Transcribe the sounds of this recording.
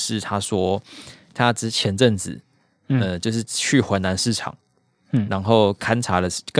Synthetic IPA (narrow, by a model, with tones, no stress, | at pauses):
ʂɻ̩˥˨t̪ʰa˦swɔ˥t̪ʰa˦˥ʈ͡ʂɻ̩˥t͡ɕʰjɛ˨˥˦nʈ͡ʂə˥˩ŋd͡zɹ̩˨˩˦ | ə˧t͡ɕjo˥˧ʊʂ̬ɻ̩˥˩t͡ɕʰy˥˩xwə˨˦na˧˥nʂɻ̩˥˩ʈ͡ʂʰɑ̰˨˩˦ŋ | ɻa˧˦nxo˥˨˩ʊkʰa˥˦nʈ͡ʂʰa˧˥lə˨˧˥kə˥˨